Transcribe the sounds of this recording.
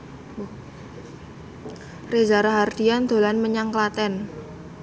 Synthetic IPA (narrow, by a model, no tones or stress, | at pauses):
rezaɾaɦard̪̥iand̪̥o̤lanməɲaŋklat̪ɛn